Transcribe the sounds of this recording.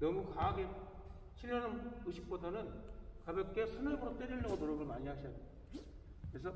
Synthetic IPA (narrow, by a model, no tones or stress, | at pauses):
nʌmukaɡe | t͡ɕʰiɭːʌnɯmɯɕʰi̥k̚p͈odanɯnkabek̚k͈esʰɯnaboɾot͈eɾiɭːʌɡonoɾoɡɯɭmaɲiɦaɕʰiʌt | kɯɾes̬ʰʌ